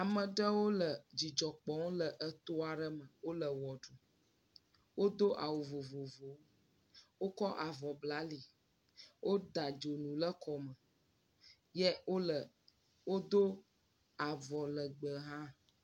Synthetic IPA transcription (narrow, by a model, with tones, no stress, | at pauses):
a˨mə̃˨ɖə˦wo˦lə˨d͡ʑi˨d͡ʒɔ˨k͡pɔ̃˨wo˦lə˨ʔə˦t̪o˦a˨ɖə˦mə̃˨wo˦lə˨wɔ˨ɖu˨ | wo˦d̪o˦ʔa˨wo˨vo˨vo˨vo˨˦ | wo˦kɔ˦ʔa˨vɔ˨bla˨˦li˨ | wʔo˦d̪a˨d͡ʒo˨nũ˨lə˦kɔ˨mə˨ | jɛ˦o˦lə˨ | wo˦d̪o˦ | a˨vɔ˨lə˨ɡ͡bə˨ɦã˦